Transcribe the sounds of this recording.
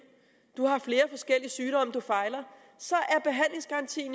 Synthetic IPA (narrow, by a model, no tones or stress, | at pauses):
d̥uhɑ̈fle̝ːɐfɒ̽sɡ̥el̰iəsyːɾ̥ɒ̽m̰d̥ufɑ̈ɪlɐ | sɒ̽ʔæɐb̥e̝ɦæn̰le̝ŋsɡ̥ɑ̈ʁɑ̈nt͡sʰḭːn